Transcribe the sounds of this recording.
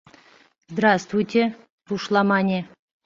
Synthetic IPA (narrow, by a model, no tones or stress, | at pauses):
zd̪ɾast̪vujt̪ʲe | t̪uʂlˠɑmɑnʲe